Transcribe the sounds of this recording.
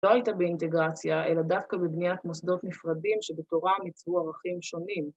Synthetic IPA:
lo̞ajitabeinte̞ɡʁat͡sjaʔe̞ladafkabebniat̪mosd̪o̞t̪nifʁadimʃebet̪o̞ʁamit͡svuaʁaχimʃo̞nim

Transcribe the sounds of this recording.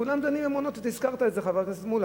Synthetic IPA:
ulamd̪animemonot̪t̪iskaʁt̪aetzeχavaksmul

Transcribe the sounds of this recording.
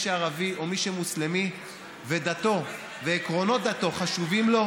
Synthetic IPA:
ʃeaʁavio̞miʃemuslemi | ve̞d̪at̪o̞ | veːkʁo̞no̞t̪̚d̪at̪o̞χaʃuvimlo̞

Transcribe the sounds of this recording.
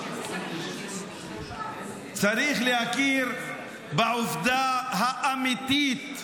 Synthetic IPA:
t͡saɾiχlehakiɾ | beʕʊfd̪aɦaʔːmit̪it̪

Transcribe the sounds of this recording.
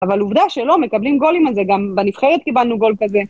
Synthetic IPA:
avaluvd̪aʃelo̞me̞kablimɡo̞limalzeɡambenifχeʁet̪̚kibalnuɡo̞lkaze

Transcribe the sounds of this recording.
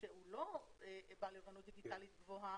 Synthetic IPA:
euloebalevanut̪̚d̪iɡit̪alit̪̚ɡvoɦa

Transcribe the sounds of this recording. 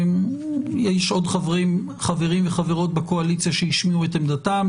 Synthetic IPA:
mjɛʃo̞dχavʁim | χaveʁimveχaveʁo̞t̚bekoalit͡sijaʃehiʃmiuetamdatam

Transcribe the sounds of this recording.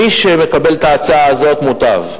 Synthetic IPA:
iʃeme̞kabe̞lt̪aːt͡saaːzo̞t̪mut̪a̰v

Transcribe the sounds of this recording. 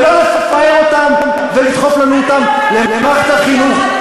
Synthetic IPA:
lolesafajeot̪am | velit̪χo̞flanuot̪am | lelemaχt̪aχinuχ

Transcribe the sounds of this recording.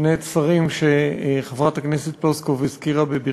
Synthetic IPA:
net̪saʁimʃeχevʁat̪akneset̪̚ploskovzkiʁabebi

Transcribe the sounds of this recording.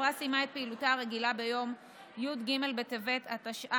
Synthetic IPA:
ʁasimaet̪̚peilutaaʁe̞ɡilabejo̞m | jud̪ɡime̞lbet̪eve̞t̪at̪aʃa

